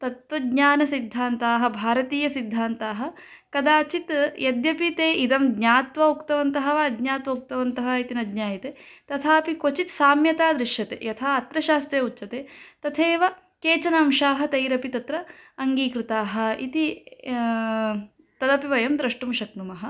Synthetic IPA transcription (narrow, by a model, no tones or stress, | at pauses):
t̪ɐt̪ʋɐdɲaːnɐsid̪ʱːaːnt̪aːɦɐ̆bʱaːɾɐt̪iːjɐsid̪ʱːaːnt̪aːɦɐ̆ | kɐd̪aːt͡ʃit̪jɐd̪jɐpit̪eːʔid̪ɐmdɲaːt̪ʋɐukt̪ɐʋɐnt̪ɐɦɐʋɐɐd̪ɲaːt̪ʋɐuk̚t̪ɐʋɐnt̪ɐɦɐit̪inɐd̪ɲaːjit̪eːt̪ɐt̪ʰaːpikot͡ʃit̪saːmjɐt̪aːd̪ɾiʃjɐt̪ḛːjɐt̪ʰaːɐt̪ɾɐʃaːst̪jeːutːʃɐt̪eːt̪ɐt̪ʰeːʋɐ | keːt͡ʃɐnaːmʃaːɦɐt̪ɐjɾɐpit̪ɐt̪ɾɐɐŋɡiːkɾɨt̪aːɦɐ̆ḭt̪i | t̪ɐd̪ɐpiʋɐjɐmd̪ɾɐʂʈumʃɐknumɐɦɐ̆